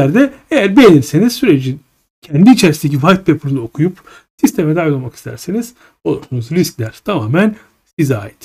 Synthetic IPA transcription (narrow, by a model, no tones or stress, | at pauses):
æɾd̪ɛejæɾbejeniɾse̞nizsyɾed͡ʒi | cʰɛnd̪iːt͡ʃʰeɾisind̪ec̬ivajt̪̚pʰepʰuɾunˠaokʰujup | sist̪ʰe̞mɛd̪ajolˠmaki̥st̪ʰæ̰ɾseniz̥ | olˠuɾsunuzɾisclʲæɾ̥t̪ʰamaːmæn | sizaːjit̪